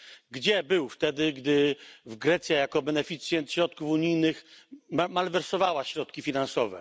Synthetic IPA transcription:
ɡd͡ʑɛbɘwft̪ɛd̪ɘɡd̪ɘvɡɾɛt̪sʲjajakɔbɛnɛfʲit̪sʲjɛnt̪ɕɾɔt̪̚kufuɲijnɘxmmalvɛɾsɔvawaɕɾɔt̪̚kʲifʲinansɔvɛ̰

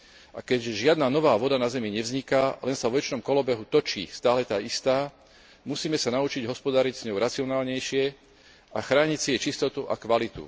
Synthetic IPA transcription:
ʔa̰kɛɟʒɪad̪naːnɔʋaːʋɔd̪anazɛmiɲɛvzɲikalɛnsavɔʋɛt͡ʃnɔmkɔlɔbɛɦut̪ɔt͡ʃḭːst̪aːlɛt̪aːist̪aː | musiːmɛsanaut͡ʃiɟɦɔspɔd̪aɾiɟz̥ɲɔʊɾat͡siɔnaːlɲɛjʃɪɛ | ʔaxɾaːɲicsiɛt͡ʃist̪ɔt̪uʔa̰kʋalit̪ṵ

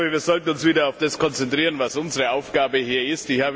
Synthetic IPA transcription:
bəviːɐzɔltn̩ʊnsv̥iːdɐaʊfd̥askʰɔnt͡sɛntʁ̥iːʁənvasʔʊnzəʁəaʊfɡ̥aːbəɦiːɐɪstd̥ihaːb

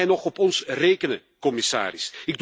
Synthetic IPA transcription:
jnɔχɔpɔnsreːkənə | kɔmɪsa̰ːɾɪsɪɡ̚d

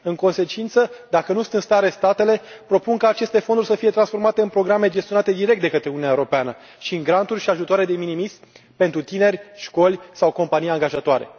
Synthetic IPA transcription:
ɨŋko̞nse̞t͡ʃint̪səd̪akənusut̪ɨnst̪aɾe̞st̪at̪ele̞pɾo̞punkaːt͡ʃe̞st̪e̞fond̪urʲsəfijet̪ɾansfo̞rmat̪e̞ɨnpɾo̞ɡɾame̞d͡ʒest̪ionat̪e̞d̪iɾe̞k̚t̪d̪ekət̪ɾeunijaewoɾo̞peanə | ʃiɨŋɡɾant̪urʲʃiaʒut̪oaɾed̪e̞minimisʲ | pe̞nt̪ɾut̪ine̞rʲʃko̞lʲsawko̞mpanijaŋɡaʒat̪oaɾe̞̰

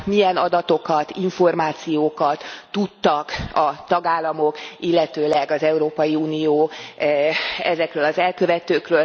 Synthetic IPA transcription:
mijɛnɒd̪ɒt̪o̞kɒt̪iɱfo̞rmaːt̪sijoːkɒt̪ːut̪ːɒkɒt̪ɒɡaːlːɒmo̞kilːɛt̪øːlɛɡɒzɛuɾoːpɒjiuːnijoː | ɛzɛkrøːlɒzɛlkø̞vɛt̪øːkrøːl

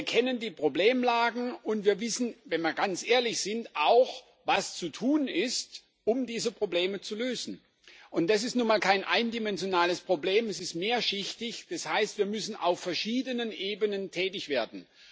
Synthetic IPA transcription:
viːɐkʰɛnəndiːpʁ̥obleːmlaːɡŋ̩ʊntv̥iːɐvɪsn̩vɛnviːɐɡant͡sʔeːɐlɪçz̥ɪntʔaʊx | vast͡sutʰuːnɪst | ʔʊmdiːzəpʁ̥obleːmət͡suløːzn̩ | ʔʊnt̚d̥as̬ɪstnuːɐnmaːlkʰaɪnʔaɪndimɛnzjonaːləspʁ̥obleːmɛsɪstmeːɐʃɪçtɪçd̥ashaɪstv̥iːɐmʏsn̩ʔa̰ʊfːɛɐʃiːdənənʔeːbənəntʰɛːtɪçv̥eːɐdn̩

